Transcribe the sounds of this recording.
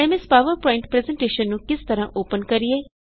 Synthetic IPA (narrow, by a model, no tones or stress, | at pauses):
ɛmɪspaːʋəɾpɔ̃ːɪ̃ɳʈpɾɛːzɛ̃ɳʈeːʃənːũkɪst̪ɐɾãːʔoːpənkɐɾieː